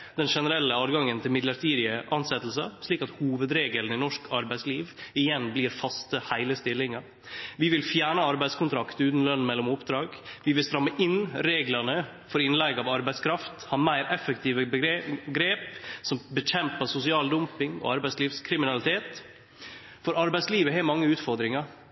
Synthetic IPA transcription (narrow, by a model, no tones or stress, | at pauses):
d̪̥ɛnʂɛnəɾɛlːəɑːd̪ɡɑŋːənt̪ʰɪlmɪd̪ləɾt̪iːd̪ɪəʔɑnsɛt̪ːl̩səʂɭiːkɑt̪huːʋəd̪ɾeːɡələnɪnɔʂkʰɑɾbæɪsliːʋɪjɛnbliːɾfɑst̪əhæɪləst̪ɪlːɪŋɑɾ | ʋɪʋɪlfjæːɳəɑɾbæɪd̪skʊnt̪ʰɾɑkt̪ʉːt̪n̩lœnːmɛlːɔmʊpd̪ɾɑːɡʋɪʋɪlst̪ɾɑmːəʔɪnɾeːɡlənə | fɔɾɪnlæɪɡɑʋɑɾbæɪskʰɾɑft̪hɑːmæɪɾɛfːəkt̪ʰiːʋəbəɡɾeːpsɔmbəçɛmpəsʊsɪɑːld̪ʉmpɪŋɔ̰ɑɾbæɪsliːʋskʰɾɪmɪnɑlɪt̪ʰeːt̪ | fɔɾɑɾbæɪsliːʋəɦɛːmɑŋːəʉːt̪fɔɾd̪ɾɪŋɑɾ